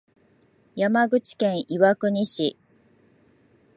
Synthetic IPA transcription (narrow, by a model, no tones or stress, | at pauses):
jamaɡɯ̟t͡ɕi̥kẽ̞ɰ̃ʔiβakɯ̟ɲ̟iɕi